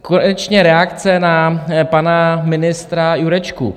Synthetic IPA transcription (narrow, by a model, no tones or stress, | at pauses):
konɛt͡ʃɲɛɾɛakt͡sɛnapanamɪnɪst̪ɾajuɾɛt͡ʃkṵ